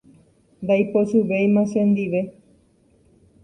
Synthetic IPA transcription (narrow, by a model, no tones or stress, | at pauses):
nd̪ajpoʃuʋejmãʃẽnd̪iʋe̞